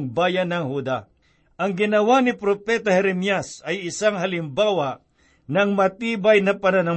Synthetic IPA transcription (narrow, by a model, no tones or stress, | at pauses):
ŋbaːjɐnɐŋhud̪a | ʔɐŋɡɪnɐwanɪpɾopɛt̪ɐhɛɾɛmjasɐjɪsaŋɦɐlɪmbaːwa | nɐŋmɐt̪iːbajnɐpɐnɐnɐ